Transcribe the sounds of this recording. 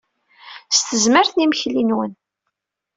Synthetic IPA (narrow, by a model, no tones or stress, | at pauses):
st̪əzməɾθniməçlinwən